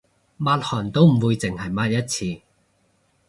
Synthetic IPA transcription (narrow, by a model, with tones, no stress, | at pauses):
maː˧t̚hɔː˨˩nt̪o˥wm̩˨˩wuː˨˧jt͡sɪ˨˩ŋhɐ˨˩jmaː˧˥t̚jɐ˥t̚t͡sʰiː˧